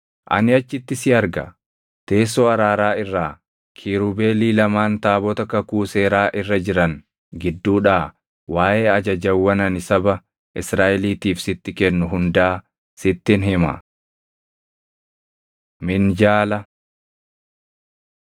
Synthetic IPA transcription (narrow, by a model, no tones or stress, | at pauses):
ʔɐ̰nɪɐt͡ʃːɪt̪ːɪsɪɐɾɡɐ̰ | t̪e̞ːsːɔɐɾaːɾaːɪrːaː | kʰiːɾube̞ːliːlɐmaːnt̪aːbɔt̪ɐkɐkuːse̞ːɾaːʔɪrːɐd͡ʒɪɾɐn | ɡɪd̪ːuːᶑaː | waːʔeːɐd͡ʒɐd͡ʒɐwːɐnɐnɪsɐbɐ | ʔɪsɾaːʔɛliːt̪iːfsɪt̪ːɪkɛnːʊɦʊnd̪ɐʔː | sɪt̪ːɪnɦɪmɐ̰ | mɪnd͡ʒaːlɐ